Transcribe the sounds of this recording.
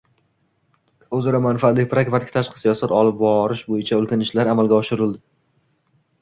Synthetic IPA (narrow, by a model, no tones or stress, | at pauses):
ɵzaɾɒmanfaat̪lɪk̚ʲpɾakvat̪ɪkʰʲt̪ʰaʃqɨ̥sijɒsat̪ɒlɪp̚bɒɾɪʃbojɪt͡ʃʰaɵlkʲanɪʃlaɾamalˠɡʲaɒʃɪɾɪld̪ɪ